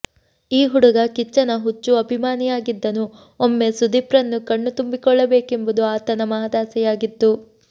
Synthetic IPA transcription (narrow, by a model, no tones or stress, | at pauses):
iːɦuɽuɡɐkit͡ʃːɐnɐɦut͡ʃːuɐbʱimaːnijaːɡid̪ːɐnu | omːe̞sud̪ipɾɐnːukɐɳːut̪umbikɔɭːɐbe̞ːke̞mbud̪uaːt̪ɐnɐmɐɦɐd̪aːsɛjaːɡit̪ːu